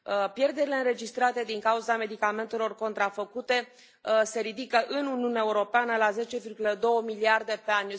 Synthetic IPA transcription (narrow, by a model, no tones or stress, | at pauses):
pje̞rd̪e̞ɾile̞ɨnɾe̞d͡ʒist̪ɾat̪e̞d̪iŋkauzame̞d̪ikame̞nt̪e̞lo̞rko̞nt̪ɾafəkut̪e̞ | se̞ɾid̪ikəʔɨnuniuneaeuɾo̞peanəlaze̞t͡ʃe̞virɡuləd̪o̞wəmiliard̪e̞pe̞anʲ